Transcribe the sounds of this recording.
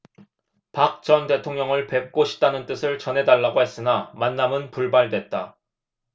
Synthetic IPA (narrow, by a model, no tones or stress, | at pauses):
pak̚t͡ɕʌnde̞tʰoŋɲjʌŋɯɭpe̞p̚k͈oɕʰi̥p̚t͈anɯnt͈ɯsʰɯɭt͡ɕʌnɦe̞daɭːaɡoɦes͈ɯnamanːamɯnpuɭbaɭdwe̞t̚t͈a